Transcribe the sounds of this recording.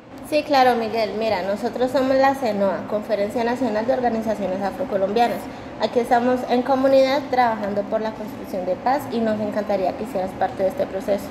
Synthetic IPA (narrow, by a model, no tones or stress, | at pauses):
siklaɾo̞miɣe̞lmiɾano̞so̞t̪ɾosːo̞mo̞zlase̞noako̞ɱfe̞ɾe̞nsjanasjo̞nald̪eo̞ɾɣanisasjo̞ne̞safɾo̞ko̞lo̞mbjanas | akie̞st̪amo̞se̞ŋko̞mũniðaðt̪ɾaβaxand̪o̞po̞ɾlako̞nst̪ɾuksjo̞nd̪e̞pasino̞se̞ŋkant̪aɾiakeisje̞ɾaspaɾt̪e̞ðe̞st̪e̞pɾo̞se̞so̞̥